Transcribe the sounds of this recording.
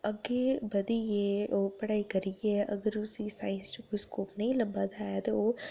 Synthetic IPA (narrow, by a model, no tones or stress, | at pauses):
ɐɡebɐd̪ijeopɐɽaːikɐɾieɐɡəɾʊsisaːɪ̃nst͡ʃikoiskoːpnɐɦĩlɐbad̪at̪o